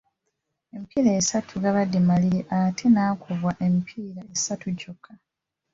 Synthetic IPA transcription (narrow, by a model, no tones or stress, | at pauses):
e̞mipiːlaesatʰuɡaβadːimaliɾiʔatʰenaːkuvwaʔe̞mipʰiːɾaesatuɟokʰa